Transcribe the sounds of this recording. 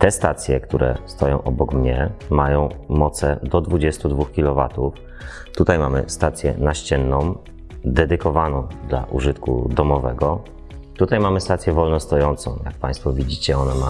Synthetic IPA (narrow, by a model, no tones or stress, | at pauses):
t̪ɛst̪at̪sʲjɛkt̪uɾʔɛ̰st̪ɔjɔ̃w̃ʔɔbɔkmɲɛmajɔ̃w̃mɔt̪sɛd̪ɔd̪vud͡ʑɛst̪ud̪vuxkʲilɔva̰t̪uf | t̪ut̪ajmamɘ̰st̪at̪sʲjɛ̰naɕt͡ɕɛnːɔ̃m̃ | d̪ɛd̪ɘkɔvanɔ̃w̃d̪la̰ʔuʐɘt̪kṵd̪ɔmɔvɛɡɔ | t̪ut̪ajmamɘst̪at̪sʲjɛvɔlnɔst̪ɔjɔnt̪sɔ̰̃w̃ja̰k̚pãj̃st̪fɔvʲid͡ʑit͡ɕɛɔnɛma